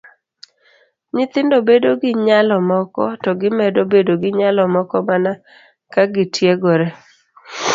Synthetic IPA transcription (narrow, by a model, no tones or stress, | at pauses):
ɲɪt̪ɪndobedoɡɪɲalɔmɔkɔtɔɡɪmɛdobedoɡɪɲalɔmɔkɔmana | kaɡɪtʰjeɡɔɾe